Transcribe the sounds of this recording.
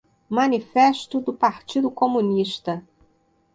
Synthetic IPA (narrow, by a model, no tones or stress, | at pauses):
mɐnifɛʃt̪ʊd̪ʊpaɾt͡ʃid̪ʊkomũniʃt̪ɐ